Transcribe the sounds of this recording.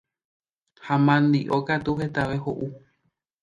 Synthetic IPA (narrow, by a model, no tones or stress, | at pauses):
hamãnd̪iʔokat̪uɦe̞t̪aʋe̞hoʔu